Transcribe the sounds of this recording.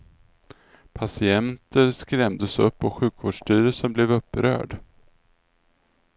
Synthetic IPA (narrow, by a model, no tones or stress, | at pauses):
pʰasɪɛnt̪əɾskɾɛmd̪əsɵpːɔɧʉ̟ːkvoːɖʂʈyːɾəsənblɛvɵpːɾœ̰ːɖ